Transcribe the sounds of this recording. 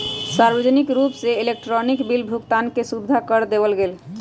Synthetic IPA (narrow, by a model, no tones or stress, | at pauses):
saɾbəd͡ʒnikɾupseilek̚ʈɾɔnikbilbʱukt̪ankesud̪ʱːakəɾd̪ebəlɡel